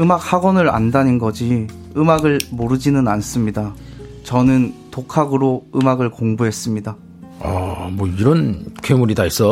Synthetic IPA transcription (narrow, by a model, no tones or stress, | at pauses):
ɯmak̚haɡwʌnɯɾa̰ndaninɡʌd͡ʑi | ɯmaɡɯɭmoɾɯd͡ʑinɯnans͈ɯmɲidat͡ɕʌnɯntokʰaɡɯɾoɯmaɡɯɭkoŋbuɦe̞s͈ɯmɲida | amwʌiɾʌnkʰemuɾidais͈ʌ